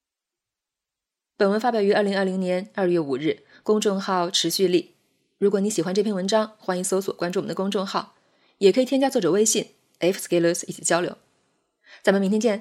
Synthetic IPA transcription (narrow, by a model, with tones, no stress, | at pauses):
pə˨˩nwə˧˥nfa˥p̬jɑ˨˩ʊy˧˥ə˞˥˩li˧˥ŋɐ˥˩li˧˥ŋnjɛ˧˥nə˥˧jɥɛ˥˩u˨˩ɻɻ̩˥˩ | kʊ˥ŋʈ͡ʂʊ˥˧ŋxɑ˥˩ʊʈ͡ʂʰɻ̩˧˥ɕy˥˧li˥˩ | ɻu˧˥kwɔ˩ni˧˥ɕi˨˩xwa˧˥nʈ͡ʂɤ˥˩pʰjɛ˥˩nwə˧˥nʈ͡ʂɑ˥ŋxwa˥ni˧˥so˧˥ʊswɔ˨˩kwa˥nʈ͡ʂu˥˩˨d̪kʊ˥ŋʈ͡ʂʊ˥˧ŋxɑ˥˩ʊ | jɛ˨˩kʰɤ˧˥i˨˩jɛ˥nt͡ɕja˥t͡swɔ˥˩ʈ͡ʂɤ˨˩we˥ɪɕi˥˩n | ɛ˥fske˧˥ɪlə˧˥si˥˩t͡ɕʰi˨˩t͡ɕjɑ˥ʊljo̰˧˥ʊ | t͡sa˨˩mə˩mi˧˥nt̪ʰi˥t͡ɕjɛ˥˩n